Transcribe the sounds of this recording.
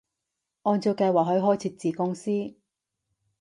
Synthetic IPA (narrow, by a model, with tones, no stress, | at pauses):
ʔɔː˧nt͡so˧kɐ˧jwaː˨˩k̚ɦɵ˨˥ɥɦɔː˥jt͡sʰiː˧t̚t͡siː˨kʊ˥ŋsiː˥